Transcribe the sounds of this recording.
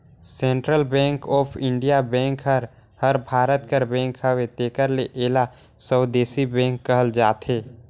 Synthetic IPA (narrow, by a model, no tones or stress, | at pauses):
sẽːɳʈɾəlbɛ̃ːŋkɔːpʰɪ̃ɳɖijabɛ̃ːŋkɦəɾ | həɾbʱaːɾət̪kəɾbɛ̃ːŋkhəwet̪eːkəɾleʔeːla | səːd̪eːsibɛ̃ːŋkːəɦəld͡ʒaːt̪ɦeː